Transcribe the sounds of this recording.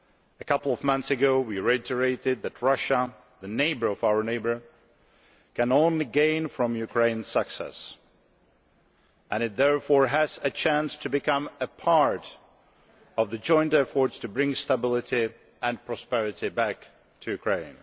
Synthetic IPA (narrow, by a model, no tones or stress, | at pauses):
ɨkʰʌpl̩ˠʌvmʌ̃nθsɨɡoʊwiɹɛtʰə˞eɪɾɪd̪̚ðɨt̚ɹʌʃə | ðɨneɪbə˞ʌvaʊə˞neɪbə˞ | kʰɨ̃nõʊ̃nliɡẽɪ̃nfɹʌ̃mjʉkʰɹ̥ẽɪ̃nsəksɛ̰s | ɨ̃ñɨt̪̚ðɛɹfɔɹɨzɨt͡ʃʰæ̃nstʰɨbɨkʰʌ̃mɨpʰɑɹɾ | ʌvðɨd͡ʒɔ̃ɪ̃ntɛfə˞tstʰɨbɹɪ̃ŋstəbɪlˠɨɾi | ɨ̃npʰɹ̥ɔspɛɹɨɾibæk | tʰɨjʉkʰɹ̥ẽɪ̃n